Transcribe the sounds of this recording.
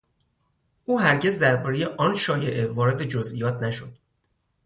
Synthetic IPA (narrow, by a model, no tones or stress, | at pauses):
ʔuːɦæɾɟe̞zd̪æɾbɒːɾejeʔɒːnʃɒːje̞ʔe̞vɒːɾe̞d̪e̞d͡ʒozʔijɒːt̪ʰnæʃod̪̥